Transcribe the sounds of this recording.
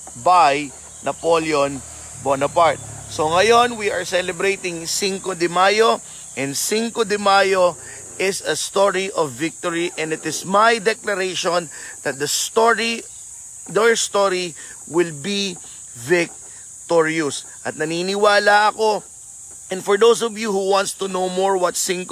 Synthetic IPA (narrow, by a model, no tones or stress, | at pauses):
baj | nɐpoljon | bonɐpaɹt̪̚so̞ŋɐjo̞nwiʔɐɹsɛlɛbɾejt̪ɪŋsiŋkod̪ɪmajo | ʔɛ̃nd̪siŋkod̪ɪmaːjo | ʔɪsɐst̪oɹiʔɔvːɪk̚t̪oɹiʔɛ̃nd̪ɪt̪ɪsmajd̪ɛklɐɾejʃõnd̪̥ɐt̪̚d̪ɐst̪oɹi | d̪ɛɹst̪oɾi | wɪlbi | vɪk̚ | t̪ɔɹjʊs | ʔɐt̪̚nɐninɪwaːlɐʔɐko̞ | ʔɛ̃nfɔɹd̪owsɔvjuhuwãnt̪st̪unowmoɹwɐt̪sɪŋk